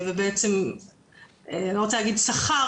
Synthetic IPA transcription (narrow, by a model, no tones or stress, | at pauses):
vebeet͡sem | eaniʁot͡selaɡid̪saχa